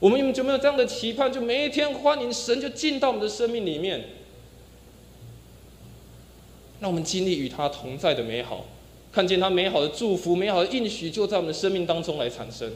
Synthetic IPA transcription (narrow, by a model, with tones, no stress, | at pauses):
wɔ˨mə˦n˥˩m˧nt͡ɕo˥˩me˥jo˨˩ʈ͡ʂjɑ˥˩ŋd̪ə˩t͡ɕʰi˧˥pʰa˥˨nt͡ɕjo˥˩ʊme˨˩ɪi˥˩t̪ʰjɛ˥nxwa˦ni˧˥nʂə˧˦nt͡ɕjo˥˧ʊt͡ɕi˥˧nt̪ɑ˥˩ʊwɔ˨ə˩nd̪ə˩ʂə˥nmi˥˩ŋli˨˩mjɛ˥˨n | na˥˩wɔ˨˩mə˨˦nt͡ɕi˥nli˥˩y˨˩t̪ʰa˦t̪ʰʊ˧˦ŋt͡sa˥˩ɪd̪ə˩me˧˥ɪxɑ̰˨˩˦ʊ | kʰa˥˧nt͡ɕjɛ˥˨nt̪ʰa˥me˧˥ɪxɑ˨˩ʊd̪ə˩ʈ͡ʂu˥˩fu˨˥me˧˥ɪxɑ˨˩ʊd̪ə˧ʔi˥˩nɕy˨t͡ɕjo˥˧ʊt͡sa˥˩wɔ˨˩ə˩nd̪ə˩ʂə˥nmi˥˩ŋt̪ɑ˥ŋʈ͡ʂʊ˥ŋla˧˥ɪt͡sʰa̰˨˩nʂə˦˥ŋ